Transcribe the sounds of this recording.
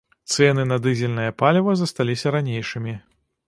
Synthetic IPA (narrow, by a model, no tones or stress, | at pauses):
t̪sɛnɨnɐd̪ɨzʲɛlʲnɐjɐpalʲɛvɐzɐst̪alʲisʲɐɾanʲejʂɨmʲi